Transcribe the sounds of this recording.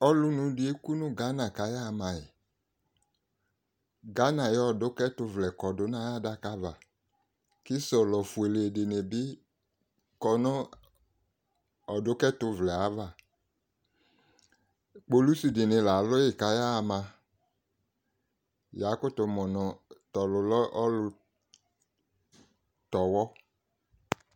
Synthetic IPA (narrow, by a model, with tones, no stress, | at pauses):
ɔ˦lu˧nũ˧di˦e˦ku˦nũ˦ɡa˨˦na˨ka˨˦ja˦˧mã˨jɛ˨ | ɡa˦nã˨jɔ˦˨dʊ˨˦kɛ˦tʊ˧vlɛ˨kɔ˨dʊ˨˦nã˦ja˦da˦ka˦va˨ | ki˦sɔ˨lɔ˨fu˨e˨le˨de˨ne˨bɪ˦ | kɔ˧nɔ˦ | ɔ˨dʊ˦kɛ˦tʊ˧vlɛ˨a˨˦va˨ | k͡po˦lu˦su˨dɪ˨nɪ˨la˨lʊ˦jɪ˨ka˨ja˦˨mã˧ | ja˨˦kʊ˦tʊ˨mɔ˨nɔ̃˨tɔ˨lʊ˨lɔ˦ɔ˦lʊ˧ | tɔ˨wɔ˦